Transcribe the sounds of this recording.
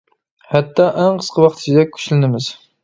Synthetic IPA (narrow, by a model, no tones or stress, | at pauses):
hɛt̪ːɑʔæŋqʰə̥sqʰəwɑχt̪ʰt͡ʃd̪ɛk̚ʲʰy̥ʃlɪnɪmɪz̥